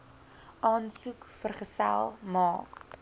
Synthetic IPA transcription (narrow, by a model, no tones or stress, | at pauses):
ʔɑːnsukfərχəsæ̰lˠmɑːk